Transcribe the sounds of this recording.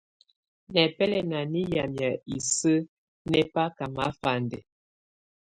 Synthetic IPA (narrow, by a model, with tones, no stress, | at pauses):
nɛ˨pɛ˦lɛ˨na˨ni˦ja˨mja˨i˨sə˦ | nɛ˦pa˦ka˨ma˦fa˨ndɛ˨